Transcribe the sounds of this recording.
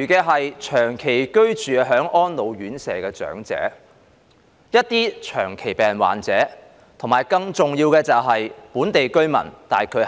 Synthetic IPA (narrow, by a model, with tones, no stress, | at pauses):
yː˨˩kɛː˧ɦɐ˨jt͡ʃʰœː˨˩ŋkʰe˨˩jkɵ˥ɥt͡ʃyː˨ɦœː˨˥ŋʔɔː˥nlo˨˧wɥyː˨˥nsɛː˨˩kɛː˧t͡ʃœ̰ː˨˥ŋt͡sɛ̰ː˨˥ | jɐ˥t̚t̪iː˥t͡ʃʰœ̰ː˨˩ŋkʰe˨˩jpɛː˨nwa̰ː˨nt͡sɛː˨˥ | t̪ʰʊ˨˩maː˨˩jkɐ˧ŋt͡sʊ˨ŋjiː˧wkɛː˧t͡sɐ˨wɦɐ˨jpuː˨˥nt̪e˨jkɵ˥ɥmɐ̰˨˩nt̪aː˨jkʰɵ˨˧˥